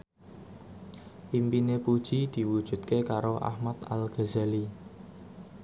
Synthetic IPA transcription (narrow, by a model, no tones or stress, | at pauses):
pimpinepud̥ʒ̥id̪̥i̤wud̥ʒ̥ṳt̪kekaɾoʔa̰hmat̪a̰lɡ̥azali